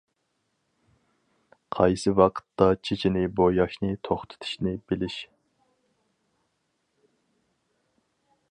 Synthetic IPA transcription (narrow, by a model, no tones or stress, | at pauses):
qʰɑjsɨwɑqʰə̥t̪ːɑt͡ʃʰet͡ʃʰinɪbojɑʃnɨt̪ʰoχt̪ʰɨ̥t̪ʰɨ̥ʃnɪbɪlɪʃ